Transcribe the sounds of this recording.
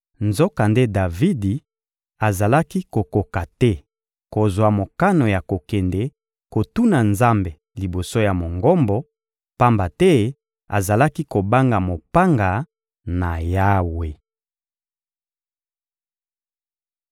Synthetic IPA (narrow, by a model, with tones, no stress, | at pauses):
nzɔ˦ka˨nde˦da˨vi˦di˨ | a˨za˨la˦ki˦ko˨ko˨ka˨tɛ˦ | ko˨zwa˨mo˨ka˦no˨ja˨ko˨kɛ˨ndɛ˨ | ko˨tu˦na˨nza˦mbe˨ | li˨bo˨so˦ja˨mo˨ŋɡɔ˦mbɔ˨ | pa˦mba˨tɛ˦ | a̰˨za˨la˦ki˦ko˨ba˦ŋɡa˨mo˨pa˦ŋɡa˨ | na˨ja˦we˨